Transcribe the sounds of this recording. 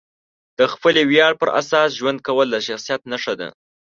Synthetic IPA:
d̪̥əxpəlewjɑɽpəɾʔa̰sɑsʒwand̪̚kawəlːaʃaxsijat̪naʂad̪a̰

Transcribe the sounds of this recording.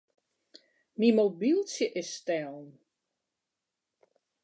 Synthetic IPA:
mimobilˠsjəʔɪsːtɛlˠn

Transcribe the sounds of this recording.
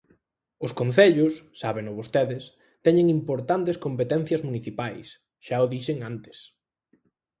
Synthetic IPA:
ʊskonθeʎʊsːaβeŋʊβost̪eðɪs | t̪ɛɲeŋimpoɾt̪ant̪eskompet̪ɛn̟θjɐzmuniθipajs | ʃaʊðiʃeŋant̪ɪ̥s

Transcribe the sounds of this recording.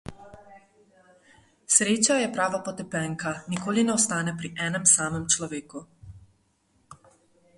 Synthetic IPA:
sɾeːt͡ʃajɛpɾaːʋapɔt̪ɛpɛŋkanikoːlinɛɔst̪aːnɛpɾiʔɛːnɛmsaːməmt͡ʃlɔʋeːku

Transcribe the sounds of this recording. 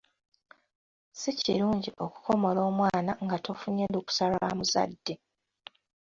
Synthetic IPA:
siciɾuːɲɟiʔo̞ku̥ko̞mo̞lo̞ːmwaːnaŋɡatofuɲeluku̥salaːmuza̰dːe

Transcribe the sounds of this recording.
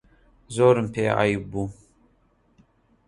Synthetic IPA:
zoːɾɨmpʰea̰jbu

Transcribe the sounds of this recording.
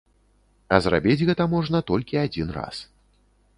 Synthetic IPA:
ɐzra̰bʲid͡zʲɣɛt̪ɐmɔʐnɐt̪ɔlʲkʲiad͡zʲinra̰s

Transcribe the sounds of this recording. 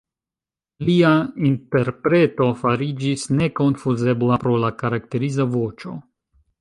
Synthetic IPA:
liainte̞ɾpɾe̞to̞faɾid͡ʒisne̞ko̞nfuze̞blapɾo̞lakaɾakte̞ɾizavo̞t͡ʃo̞

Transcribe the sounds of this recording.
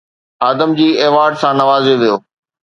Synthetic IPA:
aːd̪əmd͡ʑiːɛːʋaːɾɖsãnɐʋaːzeʋijoː

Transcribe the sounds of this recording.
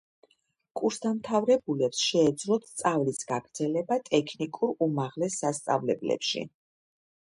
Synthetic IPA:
kʼuɾsd̪amt̪ʰavɾɛbulɛpsʃɛːd̪zlɔt̪t̪sʼavlisɡaɡ̥ɾd̪zɛlɛbat̪ʼɛkʰnikʼuɾumaʁlɛsːast̪sʼa̰vlɛblɛ̰pʃḭ

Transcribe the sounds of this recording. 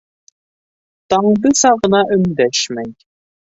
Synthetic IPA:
t̪ɑɴd̪ɤsɑʁɤ̆nɑʔɵ̆nd̪æʃmæj

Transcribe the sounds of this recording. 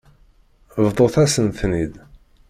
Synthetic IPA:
vðˤoθæsənθnid̪

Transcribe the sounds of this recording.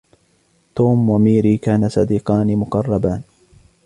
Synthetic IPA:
t̪uːmwamiːɾiːkaːnasˤɑd̪iːqɑːnimʊqɑrˤːɑbaːn

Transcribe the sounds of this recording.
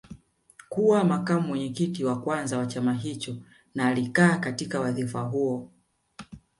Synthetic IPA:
kuwamakamuwɛɲɛkitiwakwanzawat͡ʃamaɦit͡ʃɔ | naːlikaːkatikawaðifaɦuɔ

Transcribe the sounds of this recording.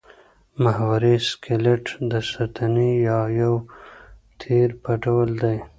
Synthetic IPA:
mahwaɾeskeleʈd̪əsat̪ʰanijɑjaw | t̪ʰiɾpaʈawəld̪aj

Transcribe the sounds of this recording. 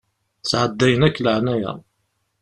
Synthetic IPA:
t͡sːʕəd̪ːæjənækːləʕnæjæ̰

